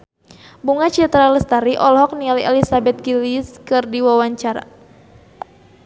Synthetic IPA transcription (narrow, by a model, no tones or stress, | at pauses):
buŋat͡ʃiat̪ɾaləst̪aɾiʔɔlɦɔk̚nialɛlisabɛt̪̚kiliskɨrdiwawaɲt͡ʃaɾa̰